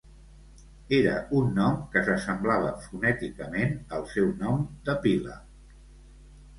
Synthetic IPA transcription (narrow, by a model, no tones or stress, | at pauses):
eɾə̰ʔunːɔmkəzəsəmblaβ̞əfunɛt̪ikəmenəlˠsɛwnɔmd̪əpilə